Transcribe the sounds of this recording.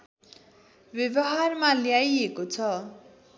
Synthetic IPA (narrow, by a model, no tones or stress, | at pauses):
bjʌbʌɦarmaljajekot͡sʰʌ